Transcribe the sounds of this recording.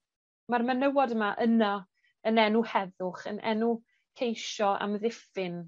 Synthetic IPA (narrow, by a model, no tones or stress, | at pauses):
marmənəwɔdəmaʔəna | ənɛnuhɛðʊχə̰nʔɛ̰nu | kʰejʃɔa̰mðɪfɪn